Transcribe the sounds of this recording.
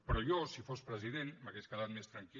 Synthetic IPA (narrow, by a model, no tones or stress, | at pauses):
pɾɔjɔsifospɾəziðenmaɣeʃkəðat̪mest̪ɾaŋki